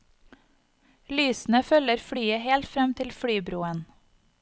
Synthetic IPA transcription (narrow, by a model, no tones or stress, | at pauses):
lyːsn̩əfœləɾfɽyːəheːlt̪fɾɛmt̪ʰɪlfɽyːbɾuːən